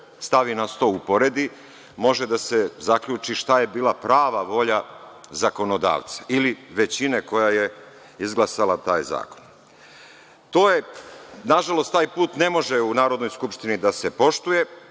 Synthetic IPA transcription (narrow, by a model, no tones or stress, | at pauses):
st̪aʋinast̪o̞upo̞ɾed̪i | mo̞ʒed̪ase̞zakʎut͡ʃiʃt̪aje̞biːlˠapɾaːʋaʋo̞ʎazako̞no̞d̪a̰ːʋt̪sḁiliʋe̞t͡ɕineko̞jaje̞ | izɡlˠasalat̪aːjza̰ːko̞̥n | t̪o̞ːjenaʒalo̞st̪aːjpuːt̪ne̞mo̞ʒeunaːɾo̞d̪no̞jskupʃt̪inid̪asepo̞ʃt̪uje̞